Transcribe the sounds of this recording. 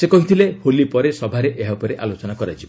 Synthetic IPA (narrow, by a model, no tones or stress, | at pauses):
sekɔɦit̪ʰileholipɔɾesɔbʱaɾeʔeɦapɔɾeʔalot͡ʃɔnakɔɾat͡ʃʰib